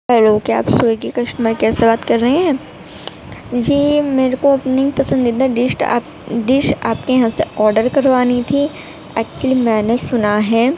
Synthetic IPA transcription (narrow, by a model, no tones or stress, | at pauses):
ɛloːɡkea̰ːpsoːekikɐʃnməɾkɛːsebaːt̪kɐɾːɐɦẽɦɛ̃ː | d͡ʒiːmeːɾekoɐpneipɐsə̃nd̪id̪aɖɪsʈː | ɖɪʃʈa̰ːp̚kejɦãseɔːɾɖəɾkɐɾʋaːnit̪ʰi | ɛːk̚t͡ʃuəlimɛ̃ːnesʊnaɦɛ̃ː